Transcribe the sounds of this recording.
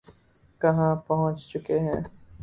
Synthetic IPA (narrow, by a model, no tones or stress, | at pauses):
kɐɦãːpɐɦʊ̃t͡ʃt͡ʃʊkeɦɛ̃ː